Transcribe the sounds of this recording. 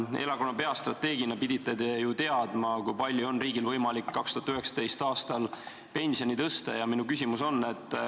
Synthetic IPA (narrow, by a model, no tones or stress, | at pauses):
e̞̰lɑkonɑpe̞ɑst̪rɑt̪ːe̞ːɡ̥inɑpid̪̥it̪ˑːed̪ejut̪e̞ɑd̪mɑkujpɑlʲːjuo̞nriːɡilvɤ̞jmɑlikːɑkst̪uɑt̪yhɦe̞ksɑ̥t̪e̞jst̪ɑːst̪ɑl | pe̞nʲsio̞nit̪ɤst̪ɑ̰jɑminukysʲimuso̞nːe̞t̪ːˑ